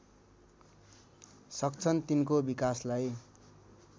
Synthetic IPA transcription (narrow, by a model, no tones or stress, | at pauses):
sʌk̚t͡sʰʌnt̪inkobikaslaj